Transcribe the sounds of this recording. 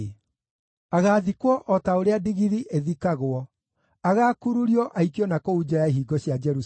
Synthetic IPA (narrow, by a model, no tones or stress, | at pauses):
aɣaːðikwɔʔɔtaoɾeadiɣiðiʔeðikaɣoɔ | aɣaːkuɾuɾiɔʔaikjɔnakoud͡ʑajaiɦiːɡɔɕjad͡ʒɛɾus